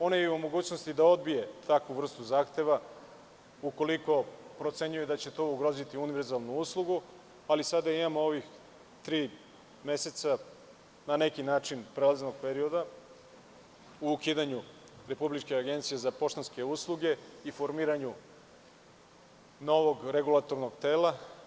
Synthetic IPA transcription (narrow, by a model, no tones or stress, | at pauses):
o̞nejiumo̞ɡuːt͡ɕnost̪id̪ao̞d̪̚bije̞t̪ʰakʋuvr̩st̪uzaːxt̪e̞ʋa | uko̞liko̞pɾo̞t̪se̞ɲujed̪at͡ɕe̞t̪o̞uɡɾo̞zit̪iuniʋeɾzalˠnuuslˠuɡu | alisad̪aimamooʋix | t̪ɾiː | me̞se̞t̪sa | nane̞kinaːt͡ʃinpɾelazno̞ɡ̚peɾio̞d̪a | uːkiːd̪aɲu | ɾe̞publit͡ʃkeaɡe̞nt̪sijezapo̞ʃt̪onske̞uslˠuɡe̞ifo̞ɾmiːɾaɲu | no̞ʋo̞ɡɾe̞ɡulˠat̪o̞ɾnoɡt̪e̞ːla